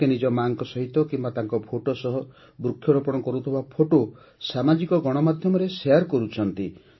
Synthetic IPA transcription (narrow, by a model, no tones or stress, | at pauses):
enid͡ʒɔmaŋkɔsɔɦit̪ɔkimbat̪aŋkɔpʰoʈosɔɦɔ | bɾukʰːjɔɾɔpɔɽ̃ɔkɔɾut̪ʰibapʰoʈo | samad͡ʒikɔɡɔɽ̃ɔmad̪ʱjɔmɔɾesejaɾkɔɾut͡ʃʰɔnt̪i